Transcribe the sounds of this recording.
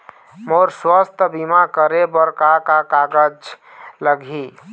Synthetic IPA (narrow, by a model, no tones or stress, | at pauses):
moɾswəst̪ʰbimakəɾebəɾkakakaɡəd͡ʒ | ləɡʱi